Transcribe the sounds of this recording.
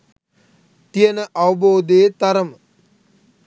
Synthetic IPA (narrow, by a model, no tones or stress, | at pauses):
t̪ijənəʔawɐboːd̪eːt̪aɾəmə